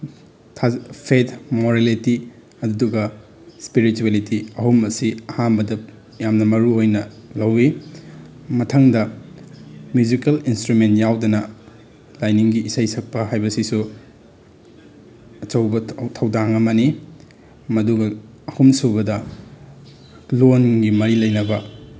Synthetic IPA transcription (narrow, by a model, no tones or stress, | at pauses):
tʰapʰetmoɾeliti | ɐdduɡɐ | spiɾituelitiɐhumɐsiɐhanbɐdɐ | jamnɐmɐɾuojnɐlɐwːi | mɐtʰɐŋdɐ | mjud͡ʒikelinstɾumentjawdɐnɐ | lajniŋɡiːsajsɐk̚pɐɦajbɐsisu | ɐt͡ʃɐwbɐtʰɐwdaŋɐmɐni | mɐduɡɐː | humsubɐdɐ | lonɡimɐɾilɐjnɐbɐ